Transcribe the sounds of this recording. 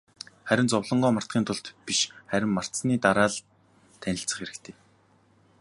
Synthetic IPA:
χæɾʲɪ̆nt͡sʊwɮɞ̆ɴɢɔːmḁt̪̚ɢiːnt̪ʰʊɬt̪piʃχæɾʲɪ̆mmar̥t̪sniːt̪aɾaːɮ | t̪ʰːænʲɪ̆ɬt͡sə̆χxeɾɘ̆kt̪ʰeː

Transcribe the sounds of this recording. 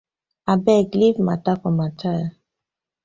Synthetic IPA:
abɛɡlivma̰takɔmatʰaja

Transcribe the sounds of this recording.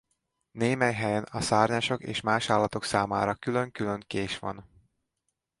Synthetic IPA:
neːmɛjɦɛjɛnɒsaːrɲaːʃo̞kḛːʃmaːʃaːlːɒt̪o̞ksaːma̰ːɾɒkyløŋkylø̞ŋkeːʃʋɒ̰n

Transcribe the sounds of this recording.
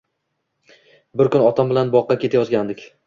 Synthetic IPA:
bɪɾkʊnɒt̪ʰambɪlanbɒqːɑkʲe̞t̪ʰajɒzɡʲand̪ɪkʲ

